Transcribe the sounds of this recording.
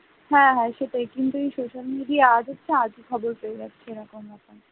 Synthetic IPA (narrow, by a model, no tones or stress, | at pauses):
hɛ̃ɦɛ̃ʃeʈajkint̪uejsoʃalmiɖiaad͡ʑʱɦotːʃʰead͡ʑikʰɔboɾpeed͡ʑatːt͡ɕʰeeɾɔkomapa